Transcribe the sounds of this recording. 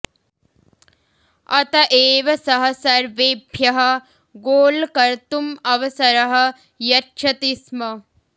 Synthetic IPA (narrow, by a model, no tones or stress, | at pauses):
ɐt̪ɐʔeːʋɐsɐɦɐsɐɾʋeːbʱjɐɦɐ̆ | ɡoːlkɐɾt̪umɐʋɐsɐɾɐɦɐ̆ | jɐtːʃʰɐt̪ismɐ